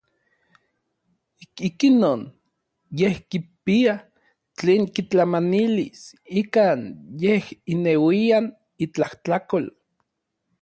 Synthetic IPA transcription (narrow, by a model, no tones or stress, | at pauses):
ikikinoːn | jehkipia | t͡ɬeːŋkit͡ɬamanilisikaːnjehinewian | it͡ɬaht͡ɬakol